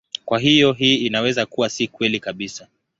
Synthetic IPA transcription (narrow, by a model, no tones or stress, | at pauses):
kwaɦijɔɦiːinawɛzakuwasikwɛlikaɓisa